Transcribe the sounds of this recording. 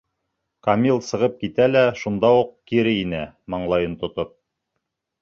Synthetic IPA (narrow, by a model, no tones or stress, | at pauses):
kamʲilˠsɤ̆ʁɤp̚kit̪ælæʃund̪ɑuqkiɾɘinæmɑɴlˠɑjɤnt̪ŏt̪op̚